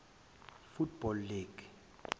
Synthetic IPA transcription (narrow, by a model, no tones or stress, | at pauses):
futb̥ɔlːiːɡ̥